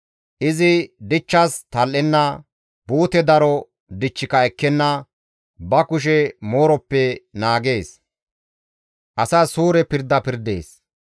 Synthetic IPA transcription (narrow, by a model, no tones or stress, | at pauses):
ʔɪzɪd̪ɪt͡ʃːɐst̪ɐlːɛnːɐ | buːt̪ɛd̪ɐɾɔ | d̪ɪt͡ʃːɪkɐɛkːɛnːɐ | bɐkʊʃ̬ɛmoːɾɔpːɛnaːɡe̞ːs | ʔɐsɐsuːɾɛpɪɾd̪ːɐpɪɾd̪e̞̰ːs